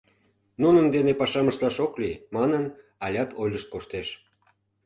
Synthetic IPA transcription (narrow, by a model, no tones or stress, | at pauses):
nunənd̪enepɑʃɑməʃt̪lɑʃoklimɑnən | ɑlʲɑt̪ʰojlʲəʃt̪̚koʃt̪eʃ